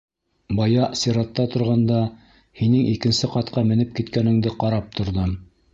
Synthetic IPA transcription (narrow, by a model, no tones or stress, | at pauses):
bɑjɑsiɾɑt̪ːɑt̪ŏɾʁɑnd̪ɑ | hinɘŋikɘ̆nsɘqɑt̪̚qɑmɘ̆nɘp̚kit̪kænɘ̆ŋd̪ɘqɑɾɑp̚t̪ʰŏɾðɤm